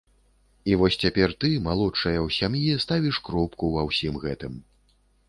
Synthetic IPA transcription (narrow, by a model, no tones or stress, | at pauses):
ivɔsʲt͡sʲapʲɛrt̪ɨmalˠɔt͡ʂɐjɐwsʲamjist̪avʲiʂkɾɔpkuvɐwsʲimɣɛt̪ɨm